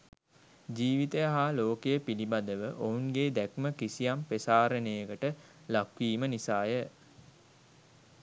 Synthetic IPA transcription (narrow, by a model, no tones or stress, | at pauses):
d͡ʒiːʋit̪əjaɦaːloːkejəpilibad̪əʋəʔouŋɡeːd̪ækməkisijampesaːɾənəjəɡəʈə | lakʋiːmənisaːjə